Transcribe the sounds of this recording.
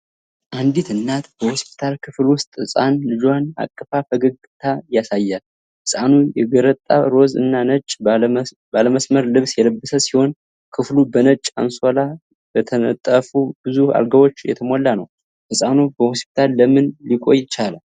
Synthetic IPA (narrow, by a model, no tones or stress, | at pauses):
ʔand̪it̪ɨnːat̪bəhospʰi̥t̪ʰalkʰɨflwʊst̪ʼɨsʼanlɨd͡ʒwana̰kʼːəfafəɡəɡɨt̪ʰajasajːal | hɨsʼanujɛɡəɾət̪ʼːa̰ɾo̞zɨ̰nːanət͡ʃʼ | baləməsməɾlɨβsjɛləbːəsəsiho̞n | kʰɨflubənət͡ʃʼːa̰nsola | bət̪ʰənə̰t̪ʼːəfubɨzua̰lɡəβo̞t͡ʃːjɛ̰t̪ʰəmolːanə̰w | hɨsʼanubəhospʰi̥t̪ʰalːəmɨnlikʼo̞̰jɪt͡ʃala